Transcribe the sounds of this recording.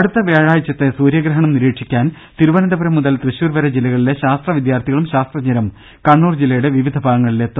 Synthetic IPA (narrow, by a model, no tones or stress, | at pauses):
ɐɽut̪ːɐʋeːɻaːjit͡ɕːɐt̪ːesuːɾjɐɡɾɐɦɐɳɐmniɾeːʈʂikʲːaːn | t̪iɾuʋɐnɐd̪ɐbɐɾɐmːuðɐlt̪rɨɕuːrʋɐɾɐd͡ʑilːɐɣɐɭile̞ɕaːst̪rɐʋid̪jaːrt̪ʰiɣɐɭumɕaːst̪rɐɲɐɾɐm | kɐɳːuːrd͡ʑilːɐjuɽe̞ʋiʋid̪ʱɐbʱaːɣɐŋːɐɭile̞t̪ːu